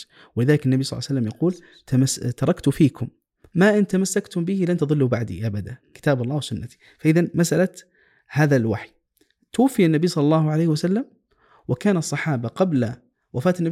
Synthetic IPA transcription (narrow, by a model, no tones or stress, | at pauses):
wɪlɪðaːlɪkɪnːabijsˤlɑ̰ːsalːamjɑquːl | t̪amast̪ɑɾˤɑkt̪ʊfiːkʊmː | aʔɪnt̪amasːakt̪ʊmbɪhilant̪ɑðˤɨlːubaʕd̪ḭʔabad̪akɪ̥t̪aːbɑlˤːɑːwɪsʊnːat̪i̥ | faʔɪðanmasʔala | haːðalwaħi | t̪ʊwafːɪjanːabiːsˤɑlːɑlˤːɑːhʊʕalejhwasalːam | wɪkaːnɑsˤːɑħɑːbaqɑbl | wafaːt̪ɪnːa